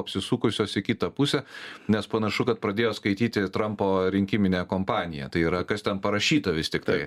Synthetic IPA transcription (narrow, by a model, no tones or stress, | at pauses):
ɐpʲsʲɪsuːkʊsʲoːsɪkʲɪt̪ɐpusʲɛnʲɛspɐnɐʃʊkɐt̪̚pɾɐd̪ʲeːjoːskɐɪt̪ʲiːt̪ʲɪt̪ɾɐmpoːɾʲɪŋʲkʲɪmʲɪnʲeːkoːmpɑːnʲɪjɛ̰t̪ɐɪiːɾɐkɐst̪ʲɛnpɐɾɐʃʲiːt̪ɐʋʲɪst̪ʲɪkt̪ɐɪ